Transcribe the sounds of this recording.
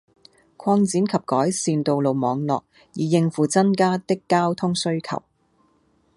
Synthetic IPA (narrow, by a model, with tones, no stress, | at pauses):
kʷʰwɔː˧ŋt͡siː˨˥nkʰɐ˨p̚kɔː˨˥jsiː˧nt̪o˨wlo˨wmɔː˨˧ŋlɔ̰ː˨k̚ | jiː˨jɪ˨˧ŋfuː˨t͡sɐ˥nkaː˥t̪ɪ˥kːaː˥wt̪ʰʊ˥ŋsɵ˥ɥkʰɐ̰˨˩w